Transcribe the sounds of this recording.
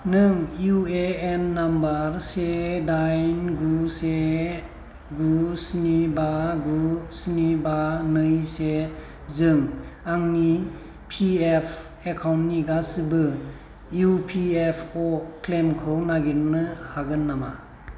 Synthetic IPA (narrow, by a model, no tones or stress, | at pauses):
nɯŋjueenːambaɾsedajnɡuse | ɡusinibaɡusinibanɯjse | zɯŋaŋni | pʰiepʰ | ekʰawntniɡasɯbɯ | jupʰiepʰɔkʰlemkʰɯwnaɡiɾnɯhaɡɯnːama̰